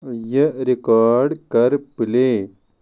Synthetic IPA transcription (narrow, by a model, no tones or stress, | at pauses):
jɐɾikaːɾɖkɐɾpileː